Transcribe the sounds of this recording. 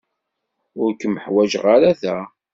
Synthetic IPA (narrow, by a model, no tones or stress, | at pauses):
ʊɾkːəməħwæʒʁaɾæθæ